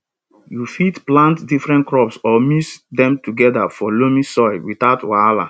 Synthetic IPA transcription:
jufitplãntdifɹɛ̃nkɹɔpsɔmisdɛ̃mtuɡɛdafɔlomĩsɔɪlwiθaʊtwala̰

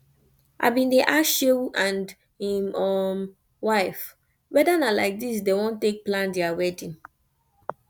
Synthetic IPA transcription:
ʔa̰bĩndeʔaʃewuʔãnd | ĩmɔm | waɪf | wɛdanalaɪk̚dis̬dewɔ̃ntːek̚plãndɛawɛdĩn

